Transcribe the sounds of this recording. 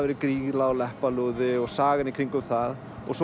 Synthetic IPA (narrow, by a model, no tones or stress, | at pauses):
vɛːɾɪkɾiːɣlaɔlɛhpaluðɪɔɣsaːɣɪnikʰɾiŋkʏmθað | ɔ̰ɣs